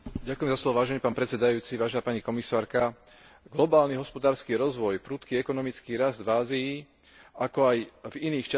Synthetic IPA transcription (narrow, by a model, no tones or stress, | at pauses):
ɟakujɛmzaslɔʋɔʋaːʒɛniːpaːnpɾɛt͡sɛd̪ajuːt͡siʋaːʒɛnaːpaɲikɔmisaːɾka | ɡlɔbaːlniɦɔspɔd̪aːɾskiːɾɔzʋɔjpɾuːt̪kiɛkɔnɔmit͡skiːɾazd̪vaːzii | akɔajviniːxt͡ʃa